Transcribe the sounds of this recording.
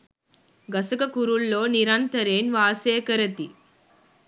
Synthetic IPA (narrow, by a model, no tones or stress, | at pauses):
ɡɐsɐkɐkuɾulːo̞ːniɾɐnt̪ɐɾeːnʋaːseːkɐɾɐt̪i